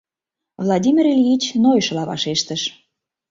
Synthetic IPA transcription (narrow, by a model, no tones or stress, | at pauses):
vlˠɑdʲimʲirelʲjit͡ɕnojʃlɑβɑ̰ʃeʃt̪əʃ